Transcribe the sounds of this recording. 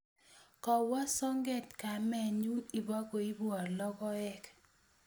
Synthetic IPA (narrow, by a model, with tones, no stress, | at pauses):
kɔ˨wɔ˦sɔ˦ŋɡɛ˦˨tka˨mɛ˨ɲu˦i˨bɔ˦ko˨i˦bɔ˨rlɔ˦kɔ˦ɛ˦k